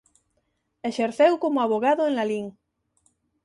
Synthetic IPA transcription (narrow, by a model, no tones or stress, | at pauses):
eʃeɾθewkomoaβoɣ̞aðoeŋlaliŋ